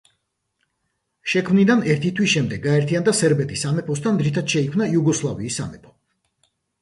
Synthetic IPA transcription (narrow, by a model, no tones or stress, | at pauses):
ʃɛkʰmnid̪anɛɾt̪ʰit̪ʰwisʃɛmd̪ɛɡːaɛɾt̪ʰiand̪asɛɾbɛt̪ʰisamɛpʰɔst̪ʰand̪ɾit̪ʰad̪̥ʃɛikʰmnajuɡɔslˠaviːsa̰mɛpʰɔ̥